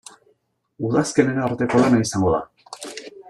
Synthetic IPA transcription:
uðaske̞ne̞ɾaɾt̪e̞ko̞lanaisaŋɡo̞ða̰

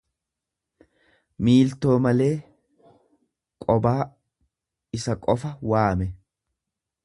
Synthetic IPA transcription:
miːlt̪o̞ːmɐle̞ː | kʼɔbaː | ɪsɐkʼɔfɐwaːmɛ

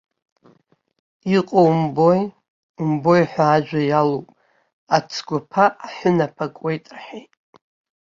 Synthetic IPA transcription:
iqʼowmboj | mbo̞jħʷaːd͡ʒʷᶣajalowpʼ | at͡sʰɡʷapʰaːħʷʊnapʰakʷʼejtʼrħejtʼ

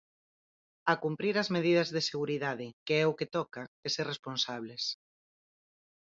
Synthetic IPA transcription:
akumpɾiɾɐzmeðið̞ɐzðeseɣ̞uɾiðaðɪkeɛʊket̪ɔkaeseresponsaβles

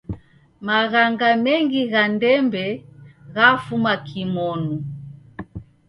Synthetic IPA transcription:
maɣaŋɡamɛŋɡiɣandɛmbɛɣafumakʰimɔnu

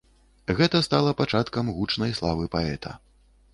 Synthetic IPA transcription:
ɣɛt̪ɐst̪alˠɐpat͡ʂat̪kɐmɣut͡ʂnɐjslˠavɨpaɛt̪ʰɐ̰

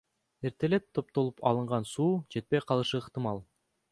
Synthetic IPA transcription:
e̞ɾt̪e̞le̞t̪ʰːo̞p̚t̪o̞lˠupʰɑ̰lˠɯɴʁɑnsuːd͡ʒe̞t̪̚pe̞jqʰɑlˠɯʃɯːqt̪ɨmɑlˠ

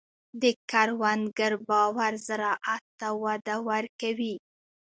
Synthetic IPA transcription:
d̪əkaɾwanɡəɾbɑwaɾzaɾɑʔat̪ːawad̪awaɾkawi

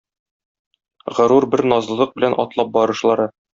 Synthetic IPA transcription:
ʁɤ̆ɾuɾbɘɾnɒzlˠɤ̆lˠɤq̚bɘ̆lænʔɒ̰t̪lˠɑp̚bɒɾɤ̆ʃlˠɑɾɤ

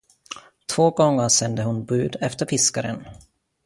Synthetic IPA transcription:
t̪ʰv̥oːɡɔŋːəɾʂɛnd̪əɦʊnbʉ̟ːd̪ɛft̪əɾfɪskaɾə̰n

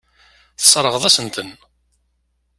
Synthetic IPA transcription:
θə̥sˤɾˤəʁðˤæsənt̪ən

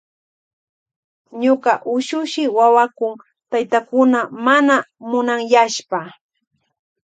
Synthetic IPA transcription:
ɲoqɑʔʊʃʊʃɪwawakʊŋ | t̪ajt̪akʊnamanamʊnaŋjaʃpa

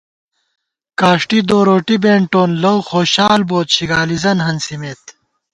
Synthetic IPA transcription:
kaːʂʈid̪oːɾoːʈibeːɳʈoːnlɐwxoːɕaːlboːt̪ɕiɡaːlizɐnɦɐnsimeːt̪

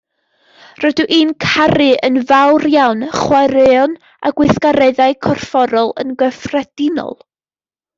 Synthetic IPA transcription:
rɔduʔiːnkʰaɾɨənvawrjawnχwaɾɛɔn | a̰ɡwɪθkaɾɛɨðaɨkʰɔrfɔɾɔlˠə̰nɡəfrɛd̥ɪnɔ̰lˠ

